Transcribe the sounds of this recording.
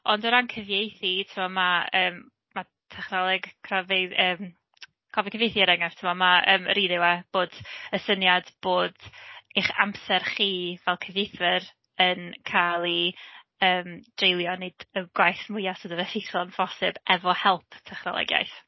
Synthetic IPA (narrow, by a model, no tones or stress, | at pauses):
ɔndɔɾankʰəvjejθitʰəmɔmaəːmː | a | tʰɛχnɔlˠɛɡkʰrɔveəːm | kʰɔvikʰəvjejθiəɾɛŋaftʰəmɔmaəːmɾiːðɪwɛb̥oːd̥əsənjadb̥oːd̥iχa̰msɛrχiːvɛlˠkʰəvjejθɨɾ | ənkʰalˠi | əːmd̥rejlˠjɔned̥əɡ̥wajθmʊjasodəvɛθitʰlˠanvɔsɪbɛvɔhɛlˠpʰtʰɛχnɔ̰lˠɔ̰ɡja̰jθ